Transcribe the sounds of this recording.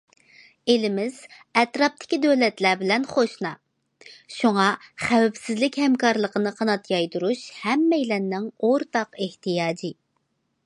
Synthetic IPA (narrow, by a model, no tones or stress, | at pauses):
elɪmɪz̥ | ɛt̪ɾɑp̚t̪ʰɪ̥kʲid̪øwlɛt̪læbɪlɛnχoʃnɑ | ʃuŋɑχæwɛpsɪzlɪkʲhɛmkɑɾlˠəqənɨqʰɑnɑt̪jɑjd̪uɾuʃhɛmːɛjlɛnːɪŋoɾt̪ɑqeht̪ijɑːd͡ʒi